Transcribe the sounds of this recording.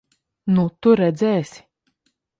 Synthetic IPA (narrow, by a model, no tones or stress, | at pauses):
nut̪uɾɛd̪zɛːsʲi̥